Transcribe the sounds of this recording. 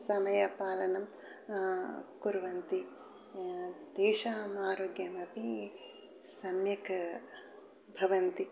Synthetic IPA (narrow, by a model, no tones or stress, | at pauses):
sɐmɐjɐpaːlɐnɐm | kuɾʋɐnt̪i | d̪ɛːʃaːmaːɾoːɡjɐmɐpi | sɐmjɐk | bʱɐʋɐnt̪i